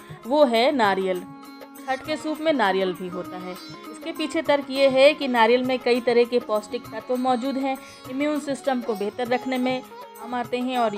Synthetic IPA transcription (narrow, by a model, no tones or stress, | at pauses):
ʋoːɦɛnaːɾijəl | kʰɐʈkesuːpmẽnaːɾijəlbʱiɦoːt̪aɦɛːʊskepiːt͡ʃʰet̪ɐɾkjeɦɛkinaːɾijəlmẽkɐit̪ɐɾɛɦkepɔːsʈɪkpɐt̪õmɔːd͡ʒuːd̪ɦɛ̃ | ɪmjuːnsɪsʈəmkobeːɦt̪əɾːɐkʰnemẽ | ɐmaːɾt̪eɦɛ̃ɔːɾ